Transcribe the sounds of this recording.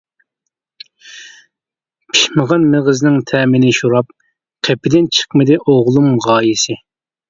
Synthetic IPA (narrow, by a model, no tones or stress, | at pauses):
pʰi̥ʃməʁɑnmɪʁəznɪŋt̪ʰɛːmɪnɪʃuɾɑp̚ | qʰɛpʰɪd̪ɪnt͡ʃʰə̥qmɨd̪ɪʔoʁlˠumʁɑːjisɪ